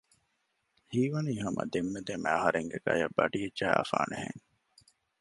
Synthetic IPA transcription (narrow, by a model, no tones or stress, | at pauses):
hiːʋɐniːɦɐmʔɐ̰d̪emːed̪emæɐɦɐɾeŋɡeɡɐjɐbːɐɖiedd͡ʒʒæːɐ̰faːnehḛŋ